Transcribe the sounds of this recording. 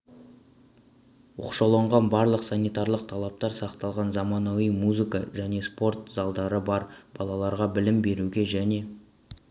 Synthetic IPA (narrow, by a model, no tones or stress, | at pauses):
wo̰qʃɑlˠoɴʁɑnbɑɾlˠəqsɑnijt̪ɑrlˠəq̚t̪ʰɑlˠɑp̚t̪ɑɾsɑqt̪ɑlˠʁɑnzɑmɑnɑwijmuzɨkɑʒæne̞spo̞rt̪zɑlˠd̪ɑɾəbɑɾb̥ɑlˠɑlˠɑɾʁɑbɪlɪmbe̞ɾuɡʲe̞ʒæne̞